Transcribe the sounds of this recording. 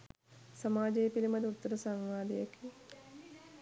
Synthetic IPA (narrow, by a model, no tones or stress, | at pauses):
sɐmaːd͡ʒejːpilimɐd̪ut̪ːəɾəsaŋʋaːd̪ijaki